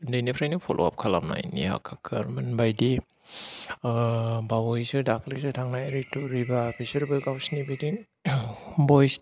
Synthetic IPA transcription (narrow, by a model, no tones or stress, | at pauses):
ndejnipʰɾajnɯpʰolʔo̰a̰p̚kʰala̰mna̰jnḭha̰kʰakʰɯɾmanbajdi | bawɔjsɯdakʰlisɯtʰaŋnajɾituɾibabʰisiɾbɯɡawsnibidiŋ | bɔjs